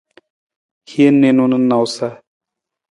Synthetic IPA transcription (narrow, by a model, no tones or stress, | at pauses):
hiənːenunənːawsa